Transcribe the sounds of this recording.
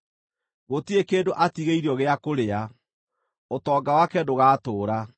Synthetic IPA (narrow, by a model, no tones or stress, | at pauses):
ɣotiekeːndoʔatiɣeiɾiɔɣeakoɾea | otɔːɡawakɛdoɣaːtoːɾa